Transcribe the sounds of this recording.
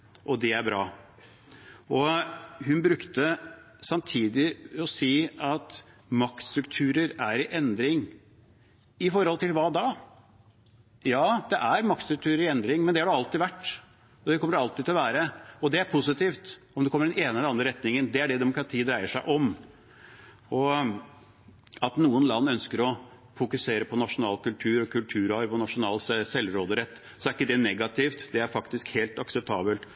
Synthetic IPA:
ʔɔd̪ɛæɾbɾɑ̰ː | ɔɦʉnbɾʉkt̪ə | sɑmt̪ʰiːd̪ɪɔsiːɑt̪ | mɑk̚t̪st̪ɾʉk̚t̪ʰʉːɾəɾæɾɪʔɛnd̪ɾɪŋ | ɪfɔɾhɔlt̪ɪlʋɑːd̪ɑː | jɑːd̪ɛʔæɾmɑk̚t̪st̪ɾʉk̚t̪ʰʉːɾəɾɪɛnd̪ɾɪŋmɛnd̪ɛhɑɖɛɑlt̪ɪʋæʈː | ɔd̪ɛkʰɔməɖɛɑlt̪ɪːd̪ʰɪlɔʋæːɾəɔd̪ɛæɾpʰʊsɪt̪iːft̪ | ɔmd̪ɛkʰɔmːəɾɖ̪ɛneːnəɛlɑnd̪ɾəɾɛt̪nɪŋənd̪ɛæɖɛd̪ɛmʊkɾɑt̪ʰiːd̪ɾæɪəʂæɪʔɔm | ɔ | ɑt̪nuːənlɑnːœnskəɾɔ | fʊkʉseːɾəpʰɔnɑʂʊnɑːlkʉlt̪ʰʉːɾɔkʰʉlt̪ʰʉːɾɑɾpɔnɑʂʊnɑːlssɛlːɾoːd̪əɾɛt̪ː | sɔæɾɪkːəd̪ɛnɛɡɑt̪ʰɪft̪d̪ɛæɾfɑkt̪ɪskheːlt̪ɑksɛp̚t̪ʰɑːbəlt̪

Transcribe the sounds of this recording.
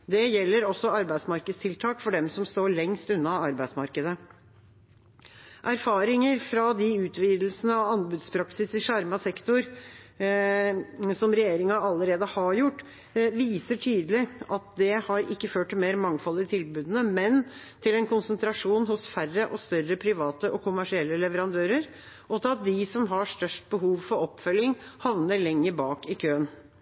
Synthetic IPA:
d̪ɛjɛlːəɾɔsːɔɑɾbæɪsmɑɾkəd̪st̪ʰɪlt̪ʰɑːkfɔɖɛmsɔmst̪oːɭɛŋst̪ʉnːɑɑɾbæɪsmɑɾkəd̪ə | ʔæɾfɑːɾɪŋəɾfɾɑd̪ɪʉːt̪ʰʋiːd̪l̩sənəɑʋɑnbʉːd̪spʰɾɑksɪsɪʂɑɾmɑsɛkt̪ʊɾ | sɔmɾɛjeːɾɪŋɑɑlːəɾeːd̪əhɑɾjʊʈː | ʋiːsəʈʰyːd̪lɪɑt̪̚d̪ɛhɑɾɪkːəføːʈ̪̚ːɪlmeːɾmɑŋfɑlːɪt̪ʰɪlbʉːd̪ənəmɛn | t̪ʰɪlɛnkʰʊnsnt̪ʰɾɑʂuːnhʊsfærəʔɔst̪œɾəpʰɾɪʋɑːt̪əʔɔkʰʊmæʂɪɛlːəlɛʋəɾɑnd̪øːɾəɾ | ʔɔt̪ʰɑt̪̚d̪ɪsɔmɦɑʂt̪œʂʈ̚bəɦuːʋfɔɾɔpːfœlːɪŋhɑʋnəɭɛŋːəbɑːkɪkʰøːən

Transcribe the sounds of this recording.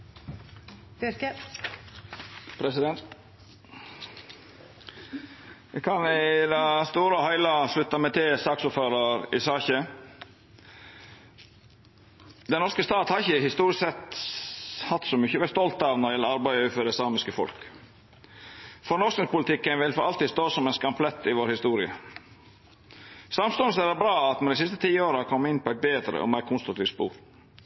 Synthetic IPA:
pʰɾɛsɪd̪ɛnt̪ | ʋɪkʰɑnɪd̪ɑst̪uːɾəɔhæɪlɑʂlʉt̪ːɑmɛt̪ʰɪlsɑːksɔpføːɾəɾɪ̰sɑːçə | d̪ɛnnɔɾʂkəst̪ɑːt̪hɑɾɪçəhɪst̪uːɾɪsɛt̪ | hɑt̪ːsɔmʏçəʋɛst̪ɔlt̪ɑʋnɑɾɛləɑɾbæɪʉːfœd̪ɛslɑːmɪskəfɔ̰lk | fɔɾnɔsknɪŋspʊlɪt̪ʰɪkːənʋɪlfɔʔɑlt̪ɪːst̪oːsɔmɛnskɑmpʰlɛt̪ʰːɪʋoːɾhɪst̪uːɾɪə̰ | sɑmst̪ɔːnəsəæɾbɾɑːɑt̪mɛnd̪ɪsɪst̪ət̪ʰiːoːɾəɑkʰɔmːɪnpɔæɪt̪̚beːd̪ɾə̰ʔɔ̰mæɪɾkʰʊnst̪ɾʊkt̪iːft̪spṵːɾ

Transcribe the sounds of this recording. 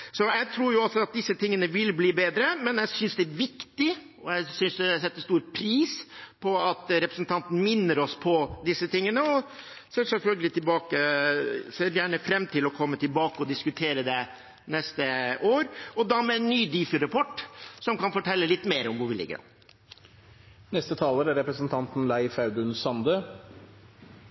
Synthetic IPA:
sɔjæɪt̪ʰɾuːɾjʊɑlsɔɑt̪̚d̪ɪsːət̪ʰɪŋːənəʋɪlbliːbeːd̪ɾəmɛnjæɪsʏnsd̪ɛæʋɪkt̪ɪ | ɔjæɪsʏnsd̪ɛsɛt̪ːəst̪uːɾpʰɾiːspʰɔɑt̪ɾɛpɾəsnt̪ʰɑnt̪n̩mɪnːəɾɔspʰɔd̪ɪsːət̪ɪŋːənəɔ | sɛlsɛlfœlɡəlɪt̪ʰɪlbɑːkə | seːɾjæːɳəfɾɛmːt̪ʰɪlɔkʰɔmːət̪ɪlbɑːkəɔd̪ɪskʉt̪ʰeːɾəd̪ɛ | nɛst̪əʔoːɾɔd̪ɑmɛnːyːd̪iːfəɾɑpʰɔʈːsɔmkɑnfɔʈʰɛlːəlɪt̪ːmeːɾɔmʋʊɾʋɪlɪ̰ɡːə̰ɾ̰ | nɛst̪ət̪ʰɑːləɾæɾɛpɾəsənt̪ʰɑnt̪n̩læɪfɑʉd̪ʉnsɑnd̪ə

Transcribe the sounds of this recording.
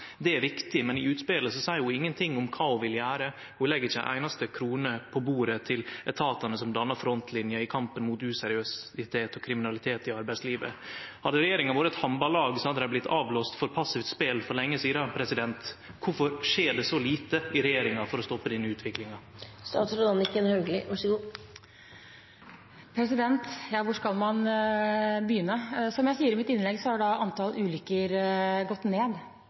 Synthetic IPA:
d̪ɛæɾʋɪkt̪ɪmɛnɪʉːt̪speːləsɔsæɪʊɪŋːənt̪ʰɪŋːʊmkʰɑːʊʋɪljæːɾə | hulɛɡːəɾɪçːæɪʔæ̰ɪnɑst̪əkʰɾuːnəpʰɔbuːɾət̪ʰɪlɛt̪ʰɑːt̪ɑnəsɔmd̪ɑnːɑɾfɾɔnt̪ʰlɪnjəɪkʰɑmpənmuːt̪ʉsɛɾɪøsɪt̪ʰeːt̪ɔkʰɾɪmɪnɑlɪt̪ʰeːt̪ɪɑɾbæɪsliːʋə̰hɑd̪ːəɾɛjeːɾɪŋənʋoːɾəɛt̪hɑmbɑlɑːɡsɔhɑd̪əd̪æɪblɪt̪ʰːɑːʋloːst̪fɔɾpʰɑsɪft̪speːlfɔɾɭɛŋːəsiːd̪ɑpʰɾɛsɪd̪ɛnt̪kʊfɔɾʂeːɖɛsɔliːt̪əɪɾɛjeːɾɪŋɑfɔɾɔst̪ɔpːəd̪iːnəʉːt̪ʰʋɪklɪŋɑst̪ɑːt̪sɾʊd̪ɑnɪkːənhœɡlɪ̰ʋɑʂɔɡuː | pʰɾɛsɪd̪ɛnt̪jɑːʋʊʂkɑlmɑn | bəjʏnːəsɔmjæɪsiːəɾɪmɪt̪ɪnlɛɡsɔhɑɖɑʔɑnt̪ɑlʔʉːlʏkːəɾɡɔt̪ːneːd̪

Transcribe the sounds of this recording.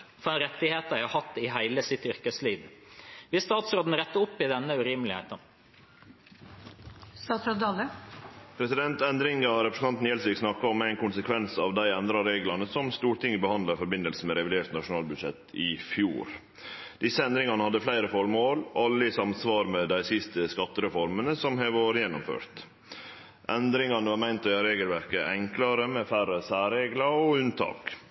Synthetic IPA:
fɔɛnɾɛt̪ːɪheːt̪æɪhɑhɑt̪ːɪɦæɪləsɪt̪ʏɾkəsliːʋʋɪst̪ɑːt̪sɾoːd̪n̩ɾɛt̪ːəʊpːɪd̪ɛnːəʉɾiːmlɪhḛːt̪ə | st̪ɑːt̪sɔd̪ɑləpʰɾɛsɪd̪ɛnt̪ɛnd̪ɾɪŋɑɾɛpʰɾəsn̩ʰɑnt̪nɛlsʋɪːɡsnɑkːɑɔmæɪnkʰʊnsəkʰʋɛnsɑːʋd̪æɪɛnd̪ɾɑɾeːɡlɑnəsɔmst̪uːʈɪŋːəbəhɑnd̪lɑɾfɔɾbɪnəlsəmɛɾɛʋɪd̪eːʈnɑʂʊnɑːlbʉd̪ʂɛ̰t̪ɪfjṵːɾ | d̪ɪsəɛnd̪ɾɪŋɑnəhɑd̪ːəflæɪɾəfɔɾmoːlɑlːəɪsɑmsʋɑːɾmɛd̪æɪsɪst̪əskɑt̪ːəɾɛfɔɾmənəsɔmɦeʋoːɾəjɛnːɔmfø̰ːɾt̪ | ʔɛnd̪ɾɪŋɑnəʋɑːɾmæɪnt̪ɔɑɾeːɡəlʋæɾkəʔɛŋklɑɾəmɛfærəsæːɾeːɡlɑɔʉnt̪ʰɑ̰ːk

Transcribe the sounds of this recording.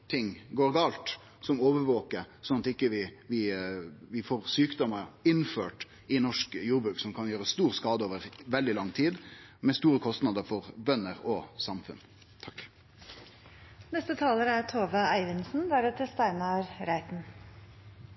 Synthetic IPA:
t̪ʰɪŋɡoːɾɡɑːlt̪ | sɔmoːʋəɾʋoːkəɾsɔnɑt̪ɪkːəʋɪʋɪʋɪfoːɾsyːkd̪ɔməɾɪnfø̰ːʈ | ɪnɔʂkjuːɾbɾʉːksɔmkʰɑnjøːɾəst̪uːɾskɑːd̪əoːʋəɾʋɛld̪ɪlɑŋːt̪ʰiːd̪mɛst̪uːɾəkʰɔst̪nɑd̪əɾfɔɾbœnːəɾɔsɑmfʉ̰n | t̪ʰɑkː | nɛst̪ət̪ʰɑːləɾæt̪ʰoːʋɑæɪʋɪnsn̩d̪æːɾət̪ʰɪst̪æɪnɑɾɾæɪt̪n

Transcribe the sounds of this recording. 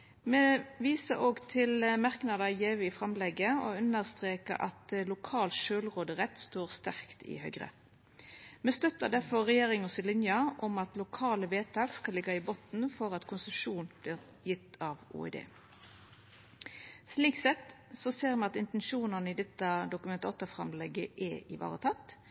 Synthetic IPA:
meːʋiːsəʔoːɡt̪ʰɪlmɑʁknɑd̪ɑjeːʋəɪfʁɑmlɛɡəo̰ʉnəʁst̪ʁeːkə̰ɾʔɑ̰t̪lʊkʰɑːlt̪ʃøːlʁoːd̪əʁɛt̪ːst̪oːʁst̪æʁkt̪ɪ̰hœ̰ʏɡʁə̰ | meːst̪œt̪əd̪æfɔʁʁɛjeːʁɪŋɔsɪlɪnjɑʔɔmɑt̪lʊkʰɑːləʋeːt̪ʰɑːɡskɑlɪɡːɑɪboːt̪n̩fɔʁɑt̪kʰʊnsəʃuːnb̥lɪːʁ | jɪt̪ːɑʋṵɛ̰d̪ḛː | sliːksɛt̪sɔseːʁmɛnɑt̪ɪnt̪ɛnʃuːnənəɪːd̪ɛt̪ːɑd̪ʊkʉmɛnt̪ɑt̪ːəfʁɑmlɛɡəʔɛɪʋɑ̰ːʁət̪ʰɑt̪

